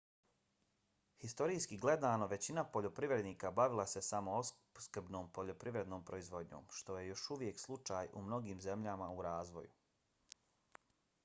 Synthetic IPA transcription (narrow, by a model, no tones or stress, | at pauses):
hist̪o̞ɾiːskiɡle̞d̪aːno̞ʋe̞t͡ɕinapo̞ʎo̞pɾiʋɾe̞d̪niːkabaʋilˠase̞samo̞o | skr̩bno̞ːmpo̞ʎo̞pɾiʋɾe̞d̪noːmpɾo̞izʋo̞d̪ɲo̰ːmʃt̪o̞je̞jo̞ʃuʋje̞kslˠut͡ʃaːjṵmno̞ɡiːmze̞mʎamauɾaːzʋoju